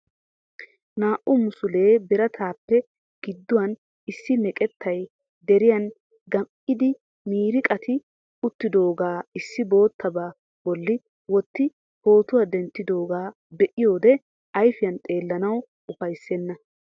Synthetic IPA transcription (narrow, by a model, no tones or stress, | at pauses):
naːʔʊmʊsʊle̞ːbɛɾɐt̪ʰaːpːɛ | ɡ̥ɪd̪ːʊwɐn | ɪsːɪnɛkʼɛt̪ʰːɐj | d̪ɛɾɪjɐn | ɡɐm | ɪd̪ɪ | miːɾɪkʼɐt̪ɪ | ʊt̪ːɪd̪o̞ːɡaːɪsːɪbo̞ːt̪ʰːɐbaː | bɔlːɪ | wɔt̪ːɪ | ho̞ːt̪ʊwad̪ɛnt̪ːɪd̪o̞ːɡaː | bɛʔɪjo̞ːd̪ɛ | ɐjfɪjɐnt̪ʼe̞ːlːɐnɐw | ʊfɐjsːɛnːɐ